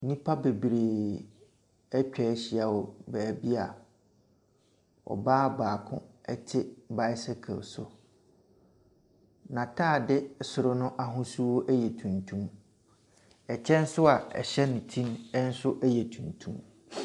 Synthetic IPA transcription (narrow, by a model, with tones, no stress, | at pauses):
nĩ˦pʰa˦be˨bɾeː˨ | ɛ˦t͡ɕᶣɛ˨˦ɕi˨a˨wɔ˨bæː˨bi˦a˨ | ɔ̰˨baː˦baː˨kʰʊ̰̃˦ɛ˦tʰɪ˦ba˦ɪ˦sɛ˦kʰɛ̰˨lsʊ̰˨ | nã˨tʰaː˦˨dɪ˦sʊ˨ɾʊ˦nʊ̃˦ʔa˨ɦʊ̃˦su˦wo˦ʔɛ˦jɛ˨tʰũ˨ntʰũ˦m | ɛ˨t͡ɕʰɛ̃˦n̩˦sʊ˦a˨ɛ̰˨ɕɛ˦nɪ̃˨tʰĩ˦nɛ˦n̩˦sʊ˦ʔɛ˦jɛ˨tʰũ˨ntʰũ˦m